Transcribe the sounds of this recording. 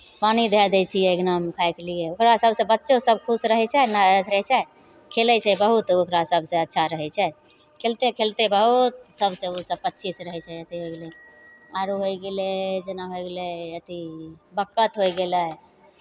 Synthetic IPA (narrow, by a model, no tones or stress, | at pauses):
panid̪ʱed̪ɛt͡ʃʰijɛeɡnamkʰajkelijeokɾasəbʱsẽbətːʃosəb̚kʰusɾəɦɛt͡ʃʰɛnaət̪ʰɾət͡ʃʰɛ | kʰelɛt͡ʃʰɛbəɦut̪okɾasəbʱsẽətːʃʰaɾəɦɛt͡ʃʰɛ | kʰelt̪ekʰelt̪ebəɦut̪̚səbʱsẽosəb̚pətːt͡ʃʰisɾəɦɛt͡ʃʰɛət̪iɦojɡele | aɾoɦojɡeled͡ʒenaɦojɡelɛət̪ibəkːət̪ɦojɡelɛ